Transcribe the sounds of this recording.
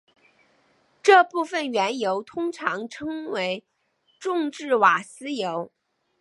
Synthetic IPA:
ʈ͡ʂɤ˥˧pu˥˩fə˥˩nɥɛ˧˥njo˧˥ʊt̪ʰʊ˥ŋʈ͡ʂʰɑ˧˥ŋʈ͡ʂʰɤ˥ŋwe˧˥ɪ | ʈ͡ʂʊ˥˧ŋʈ͡ʂɻ̩˥˩wa˨˩sɹ̩˥jo˧˥ʊ

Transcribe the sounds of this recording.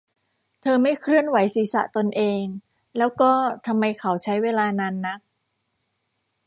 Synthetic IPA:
t̪ʰɤː˧ma˥˩jkʰɾɯ˥˩ənwa˩˦jsiː˨˩˦sa̰˨˩ʔt̪o˧nʔeː˧ŋ | lɛː˦˥wkɔː˥˩t̪ʰa˧mːa˧jkʰa˩˦wt͡ɕʰa˦˥jweː˧laː˧naː˧nːa˦˥k̚

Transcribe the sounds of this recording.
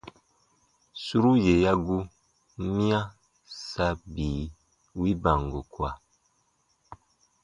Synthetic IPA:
su˦ɾu˦je˨ja˦ɡu˦ | mĩ˦ã˦ | sa˦biː˨˦ | wi˦ba˨ŋɡo˨kwa˨

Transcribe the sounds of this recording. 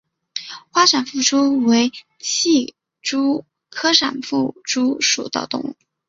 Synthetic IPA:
xwa˥ʂa˨˩nfu˥˩ʈ͡ʂu˥we˧˥ɪ | ɕʰi˥˩ | ʈ͡ʂu˥ | kʰɤ˥ʂa̰˨˩nfu˥˩ʈ͡ʂu˥ʂṵ˨˩t̪ɑ̰˥˧ʊt̪ʊ̰˥ŋu˥˩

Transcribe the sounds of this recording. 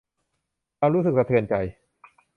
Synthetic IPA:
kaː˧mɾuː˦˥sɯ˨˩k̚sa˧t̪ʰɯː˧˩ənt͡ɕa˧j

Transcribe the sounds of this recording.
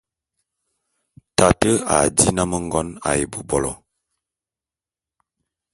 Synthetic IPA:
ta˨tə˦a̰˨di˦na˦mə˦ŋ˦ɡɔ˦na̰˨je˨bu˨bɔ˨lɔ̰˨

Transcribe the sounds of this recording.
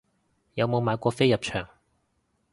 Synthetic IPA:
jɐ˨˧wmo˨˧wmaː˨˧jkʷɔː˧fe˥jɐ˨p̚t͡ʃʰœː˨˩ŋ

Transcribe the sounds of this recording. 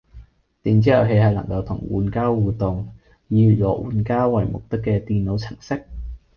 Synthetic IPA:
t̪iː˨˧nt͡siː˥hɐ˨˧wɦe˧jhɐ˨jlɐ˨˩ŋkɐ˧wt̪ʰʊ˨˩ŋwṵː˨˧nkaː˥wwuː˨t̪ʊ˨ŋ | jiː˧y˨˩jɔː˨˥wʔṵː˨˧nkaː˥wwɐ̰˨˩jmʊ̰˨k̚t̪ɪ˥kːɛː˧t̪iː˨nlo˨˧wt͡sʰɪ˨˩ŋsɪ˥k̚

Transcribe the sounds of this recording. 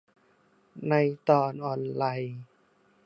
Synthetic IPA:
na˧jt̪ɔː˧˩nʔɔː˧˩nlaː˧j

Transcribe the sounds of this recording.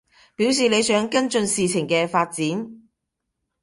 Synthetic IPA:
piː˨˥ws̬iː˨le˨˧jsœː˨˥ŋkɐ˥nt͡sɵ˧nsiː˨˧t͡sʰɪ˨˩ŋkɛː˧faː˧t̚t͡siː˨˥n

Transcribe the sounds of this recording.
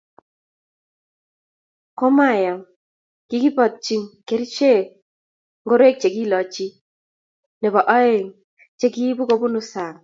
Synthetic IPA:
kɔ˦ma˦˨jɔ˨m | ki˦ɡi˦pɔ˨t̪̚t͡ʃi˨ŋke˨˦ɾi˦t͡ʃe˦ | ŋɡo˦ɾe˦k̚t͡ʃe˨ɡi˦lɔ˨t͡ʃi˦ | ne˨bɔ˨ʔɔ˦e˨ŋ | t͡ʃe˦ɡi˦bu˦ko˦bu˦nʊ˦sa˨ŋ

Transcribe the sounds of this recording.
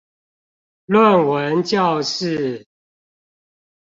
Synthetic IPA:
lwə˥˨˩nwə˨˦nt͡ɕjɑ˥˨˧ʊʂɻ̩˥˨

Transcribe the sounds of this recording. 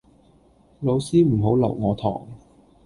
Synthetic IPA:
lo˨˧wsiː˥m̩˨˩ɦo˨˥wlɐ̰˨˩wŋɔː˨˧t̪ʰɔ̰ː˨˩ŋ

